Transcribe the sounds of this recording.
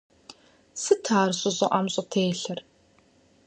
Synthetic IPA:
sɨtʰaːrɕʼʊzʼɐʔamɕʼɐtʰeːɬɐr

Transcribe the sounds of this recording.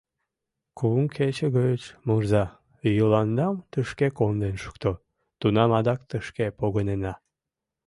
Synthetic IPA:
kuŋkʰet͡ɕəɣəət͡ɕmurzɑ | jəlɑnd̪ɑmt̪əʃkekond̪enʃu̥kt̪o | t̪unɑmɑd̪ɑkt̪əʃkepoɣənenɑ

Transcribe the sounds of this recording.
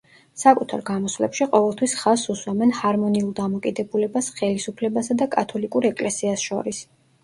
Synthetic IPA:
sakʼut̪ʰa̰ɾɡamɔsvlɛ̰pʃiqʼɔvɛlˠt̪ʰwisχasuswamɛnhaɾmɔniulˠd̪amɔkʼid̪ɛbulɛbasχɛlisupʰlɛbasad̪akʼat̪ʰɔlikʼuɾɛkʼlɛsiasʃɔ̰ɾis

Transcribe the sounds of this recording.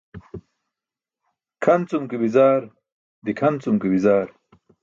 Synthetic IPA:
kʰɐnt͡sumkibizaːɾ | d̪ikʰɐnt͡sumkibizaːɾ

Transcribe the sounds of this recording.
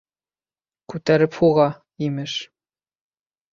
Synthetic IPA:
kʉt̪æɾɘphuʁɑ | imɘʃ

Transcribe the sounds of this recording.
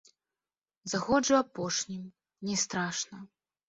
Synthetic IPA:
zaɣɔd͡ʐɨwapɔʂnʲim | nʲɛst̪ɾaʂnɐ

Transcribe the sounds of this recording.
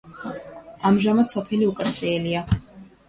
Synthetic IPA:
amʒamat͡sʰopʰeliukʼat͡sʰejlija

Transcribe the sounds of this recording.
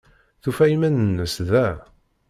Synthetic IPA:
θufæjimænənːəsðæ

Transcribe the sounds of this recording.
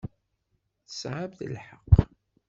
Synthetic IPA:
θə̥sʕabðə̰lħəqː

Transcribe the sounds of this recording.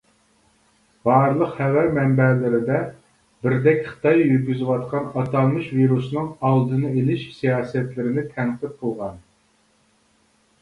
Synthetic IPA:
b̥ɑːɾlˠəqχɛwæɾmɛmbɛlɪɾɪd̪ɛ | bɪɾd̪ɛkʲχɨ̥t̪ʰɑjːyɾɡʲyzɪwɑt̪qʰɑnɑt̪ʰɑnˠmɨʃviɾusnɨŋɑlˠd̪ɨnɨelɪʃsijɑːsɛt̪lɪɾɪnɪt̪ʰæŋqʰət̪̚qʊlˠʁɑn

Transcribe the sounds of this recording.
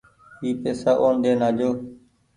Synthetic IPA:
iːpeːsaːʔoːnɗ̪eːnaːd͡ʒoː

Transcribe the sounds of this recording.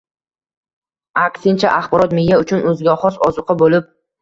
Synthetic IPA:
akʲsɪnt͡ʃʰaʔaχbɒɾɒt̪mɪjːaʊt͡ʃʰʊnɵzɡʲaχɒsɒ̰zʊqʰɨbolɪp̚

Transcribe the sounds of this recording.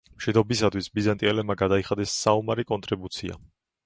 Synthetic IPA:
mʃid̪ɔbisat̪ʰwisbizant̪ʼiɛlɛbmaɡad̪aiχad̪ɛsːaumaɾikʼɔnt̪ʼɾibut̪sʰia̰

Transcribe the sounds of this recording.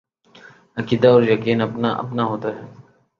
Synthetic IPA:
ɐkiːd̪aɔːɾjɐkiːnɐpnaʔɐ̰pnaɦoːt̪aɦɛː

